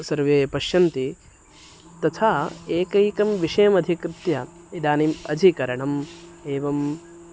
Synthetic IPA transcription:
sɐɾʋeːpɐʃjɐnt̪i | t̪ɐt̪ʰaːeːkɐjkɐmʋiʂɐjɐmɐd̪ʱikɾɪt̪jɐ | id̪aːnimɐ̰d͡ʒ̪ʱikɐɾɐɳɐmeːʋɐm

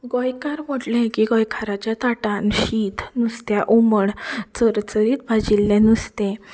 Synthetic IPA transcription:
ɡɔjkaɾmoʈlɛ̃kiːɡɔjkʰaɾat͡ɕjat̪aʈanɕit̪nust̪jaʔoməɳt͡səɾt͡səɾiːt̪̚bʱad͡ʑilːɛ̃nust̪ɛ̃

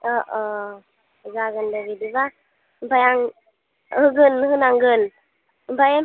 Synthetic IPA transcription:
ɔʔɔ | zaɡɯndabidiba | bajaŋ | hɯɡɯnɦɯnaŋɡɯn | mbajam

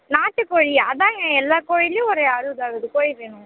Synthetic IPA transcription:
naːʈːɯkoːɻiɐðãːŋɡɐ̃ɛlːaːkoːɻɪlɯɔɾeɐɾɯðaːɣɐðɯkoːɻiʋeːnʊ̃ŋ

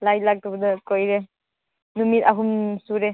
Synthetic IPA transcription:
lajt̚lak̚tubɐdɐkojɾe | numitaɦumsuɾe

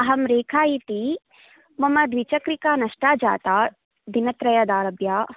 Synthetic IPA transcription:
ɐɦɐmɾeːkʰaːjit̪i | mɐmɐd̪ʋit͡ʃɐkɾikaːnɐʂʈaːd͡ʒa̰ːt̪aː | d̪inɐt̪ɾɐjɐd̪aːɾɐbja

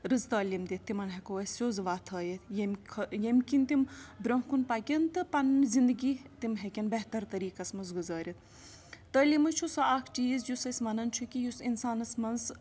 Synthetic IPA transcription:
ɾɨzt̪ɐːlimd̪ʲit̪ːimɐnɦekoːʋɐsoːzʋaːt̪ʰɐːjɐt̪ʰjemʰjemkʲint̪imbɾoɦkunpɐkʲɐnt̪ɨpɐnzind̪ɨɡʲiːt̪imɦekʲɐnbɐɦt̪ɐɾt̪ɐɾiːkɐsmɐzɡuzaːɾʲit̪̚ | t̪ɐːlimɨt͡ʃʰusɐaːkʰt͡ʃiːzjusɐsʲmɐnɐnt͡ʃʰukʲijusinsaːnɐsmɐnz

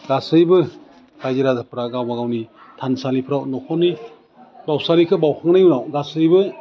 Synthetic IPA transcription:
ɡasɯjbɯ | ɾajzeɾazapʰɾaɡawbaɡawni | tʰansalipʰɾawnɔkʰɔni | bawsalikʰɯbawkʰaŋnajunawɡasɯjbɯ

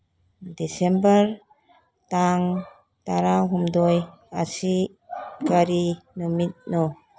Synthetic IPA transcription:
desembəɾ | taŋ | taɾawɦumdɔj | asi | kaɾinɔmit̚nɔ

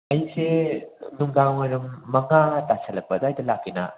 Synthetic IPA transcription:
ɐjsenuŋɡaŋwɐɾumːɐŋatasʰɐlɐk̚pɐdɐːjdɐlakʰːinɐ̰

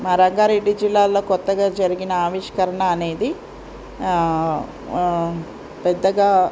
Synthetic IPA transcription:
maːɾɐŋɡaːɾeɖːid͡ʒilːaːlːo̞ːkɔt̪ːɐɡaːd͡ʒɐɾiɡinɐaːʋiʃkɐɾɐɳɐːne̞ːd̪i | pɛd̪ːɐɡaː

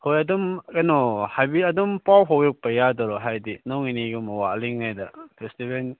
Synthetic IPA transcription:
hojɐdumkanɔhajbiɐdumpawɦawjɔk̚pɐjadɔɾɔɦajdinɔŋiniɡumawaliŋnajdapʰestiben

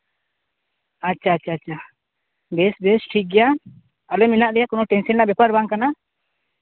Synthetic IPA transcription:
atːt͡ʃʰaːtːt͡ʃʰaːt͡ʃʰa | bɛsbɛsʈʰik̚ɡɛja | alɛminaʔlɛjakɔnɔʈɛnsɛnaʔbɛpaɾbaŋkana

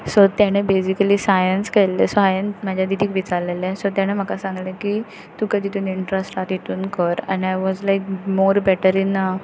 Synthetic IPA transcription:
sɔt̪jaɽ̃ebesikəlisajənskɛlːesɔajənmad͡ʑʱjad̪id̪ʱiːkʋit͡saɾlelẽsɔt̪jaɽ̃em̤əkasãŋɡleki | t̪ũkəd̪ʱit̪uːniɳʈɾəsʈat̪it̪uːnkəɾɛ̰̃najʋɔzlajk̚moɾbɛʈəɾinːa

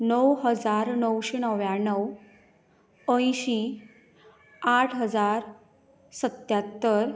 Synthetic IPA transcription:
nəwɦəd͡zaɾnəwɕenəʋjãnəw | ə̃jɕĩ | aʈʰɦəd͡zaɾ | sət̪jat̪ːəɾ

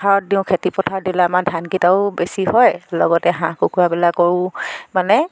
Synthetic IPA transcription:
aɹɔtdiʊ̃kʰetipɔtʰaɹdilamadʱankitaʊbesiɦɔjlɔ̰ɡɔtɛɦãkukʰuɹabɛlakːɔɹʊ̃manɛ

